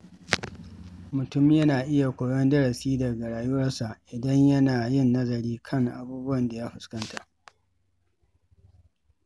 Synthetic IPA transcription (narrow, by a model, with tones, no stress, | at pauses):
mʊ˨tʊ˦mjɐ˦naː˨ʔɪ˦ja˨kʷoː˨jɔ˦ndɐ˦ɽɐ˨siː˦dɐ˨ɡa˨ɽaː˨jʊ˦wɐ˦rsa˨ʔʔɪ˨dɐ˦ɲjɐ˦naː˨jɪ˦nːɐ˦zɐ˨ɽiː˦kʰɐ˦˨ŋʔa̰˨buː˦bʊ˦wɐ˨nda˨ja˦ɸʊ˨skɐ˦nta˨ʔ